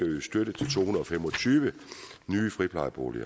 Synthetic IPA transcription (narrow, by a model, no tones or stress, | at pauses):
æʋisd̥øɾ̥ət͡sʰe̝lt͡sʰo̝̰ːunɐð̩ˠɒ̽femɒ̽t͡sʰyːʋənyːəfʁipʰlɑ̈ɪb̥o̝̰ːlḭɐ̰